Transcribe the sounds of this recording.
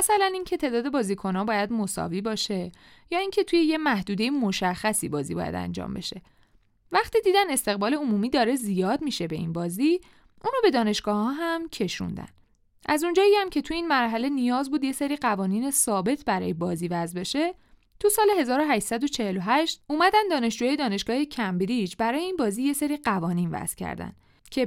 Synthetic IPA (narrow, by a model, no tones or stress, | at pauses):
æsælænincʰe̞t̪ʰe̞ːd̪ɒːd̪e̞bɒːzikʰo̞nɒːbɒːjæd̪mo̞sɒ̰viːbɒːʃe̞ | jɒːiŋcʰe̞t̪ʰujejemæhd̪uːd̪e̞jemo̞ʃæxːæsḭbɒːzḭbɒ̰ːjæ̰d̪æ̰nd͡ʒɒ̰ːmbe̞̰ʃe̞ | væχt̪iːd̪iːd̪æne̞st̪e̞ɣbɒːleomuːmiːd̪ɒːɾe̞zijɒːd̪miʃe̞be̞ḭnbɒːzi | ʔunobe̞d̪ɒːne̞ʃɡ̥ɒːhɒːɦæmcʰe̞ʃṵnd̪æ̰n | ʔæzund͡ʒɒːiæmcʰe̞t̪ʰuiːnmæɾɦæle̞nijɒːzbuːd̪je̞seɾiɢævɒːniːne̞sɒːbe̞t̪ʰbæɾɒ̰ːjebɒːziːvæzbeʃe̞ | t̪ʰusɒːleɦe̞zɒːɾoɦæʃsæd̪o̞t͡ʃʰe̞he̞loɦæʃt̪uːmæd̪ænd̪ɒːne̞ʃd͡ʒuːjɒːjed̪ɒːne̞ʃɡ̥ɒːhecʰæmbɾid͡ʒbæɾɒːjeiːnbɒːzije̞seɾiɢævɒːniːnvæ̰z̥cʰæ̰ɾd̪æ̰n | cʰe